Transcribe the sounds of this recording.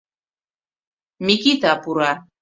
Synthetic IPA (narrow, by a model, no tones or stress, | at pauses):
mikit̪apuɾa